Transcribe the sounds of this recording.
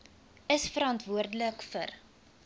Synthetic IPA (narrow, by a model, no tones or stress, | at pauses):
əsfəɾɑntvuərdələkfər